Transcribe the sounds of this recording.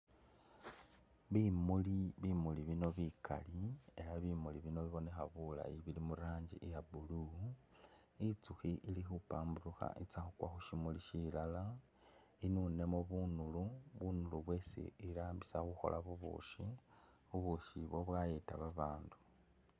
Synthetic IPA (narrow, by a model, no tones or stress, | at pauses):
βimuliβimuliβino̞βikʰa̰lie̞laβimuliβino̞βiβo̞ne̞xaβula̰iβilimuɾaːɲɟiʔejabulu | it͡suxiʔilixupaːmburuxa̰ʔit͡saxukwaxuʃimuliʃilala | inune̞moβunuluβunuluβwe̞sḭiɾaːmbisaxuxo̞̰lʔaβuβṵʃi | βuβuʃiβwo̞βwajetaβaβaːndu̥